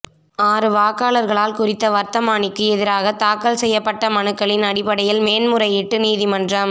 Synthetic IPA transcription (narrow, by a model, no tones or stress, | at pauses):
aːɾɯʋaːkaːɭɐɾɣɐɭaːlkʊrɪt̪ːɐʋɐɾt̪ɐmaːɳɪkːɯɛðɪɾaːɣɐt̪aːkːɐlsɛjːɐpːɐʈːɐmɐnɯkːɐɭɪnɐɽɪpːɐɽɐjɪlmeːnmʊɾɐɪɪʈːɯniːðimɐndrɐm